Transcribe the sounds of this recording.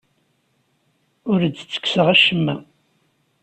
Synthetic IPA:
ʊɾd̪ːt͡sːə̥ksəʁæʃəmːæ

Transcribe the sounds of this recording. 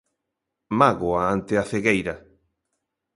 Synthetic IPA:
maɣoaant̪eaθeɣejɾa

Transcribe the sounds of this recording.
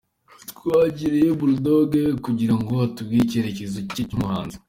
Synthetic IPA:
twaːɟiɾejebuldoɡekuɟiɾaŋɡo̞hatubɡiceɾecezocecumuɦa̰ːnzi

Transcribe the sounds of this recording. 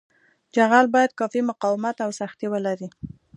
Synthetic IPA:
d͡ʒaɣalbɑjad̪̚kɑfimʊqɑwɪmat̪awsaxt̪iwəlaɾi

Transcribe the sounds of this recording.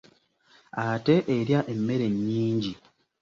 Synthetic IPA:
ate̞ʔeɾjaʔe̞mːe̞ɾe̞ɲːiːɲɟi

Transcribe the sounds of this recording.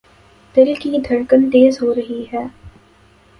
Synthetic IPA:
t̪ɪlkid̪ʱɐɽkənt̪eːzɦoːɾɐɦiɦɛː

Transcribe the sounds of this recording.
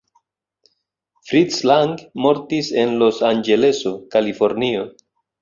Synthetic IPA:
fɾitslaŋɡmo̞ɾtise̞nlo̞sand͡ʒe̞le̞so̞kalifo̞ɾnio̞

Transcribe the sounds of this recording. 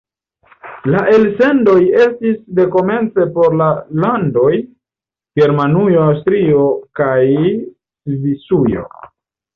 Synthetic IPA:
laʔe̞lse̞ndo̞je̞stisde̞ko̞me̞nt͡se̞po̞ɾlalando̞j | ɡe̞ɾmanujoawstɾio̞kaj | visujo̞̰

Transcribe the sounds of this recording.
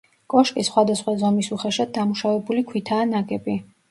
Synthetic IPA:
kʼɔʃkʼisχwad̪asχwazɔmisuχɛʃad̪̚d̪amuʃavɛbulikʰwit̪ʰaːnaɡɛbi

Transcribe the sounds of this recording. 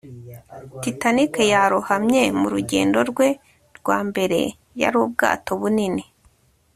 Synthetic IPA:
titanikejaɾuhamɲe̞muɾuɟe̞̰ːndo̞ɾɡwe̞ | ɾɡwaːmbe̞ɾe̞̰ | ja̰ɾuːb̚ɡa̰ːto̞βunini

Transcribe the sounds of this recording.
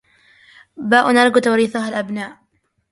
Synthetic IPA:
baːʔʊnaɾɡʊt̪awɾiːθʊɦalʔabnaːʔ

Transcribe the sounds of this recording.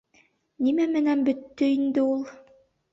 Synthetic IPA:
nimæmɘ̆nænbɵ̆t̪ːɵind̪ɘulˠ

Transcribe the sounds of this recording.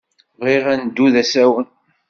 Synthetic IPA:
vʁiʁænd̪ːuðæsæwən

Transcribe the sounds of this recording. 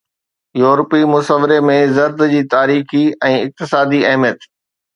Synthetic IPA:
juːɾpimʊsəʋɪɾemẽzɐɾd̪d͡ʑiːt̪aːɾiːxiɛ̃ːɪk̚t̪ɪsaːd̪iɐɦmijət̪

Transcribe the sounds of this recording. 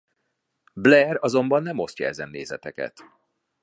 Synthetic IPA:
blɛrɒzo̞mbɒnːɛmo̞st̪cɒ̰ɛzɛnːeːzɛt̪ɛkɛ̰t̪

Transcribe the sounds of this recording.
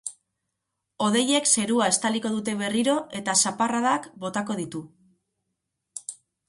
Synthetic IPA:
o̞ð̞e̞je̞kse̞ɾuae̞st̪aliko̞ðut̪e̞β̞e̞riɾo̞e̞t̪asaparaðakbo̞t̪ako̞ð̞it̪u

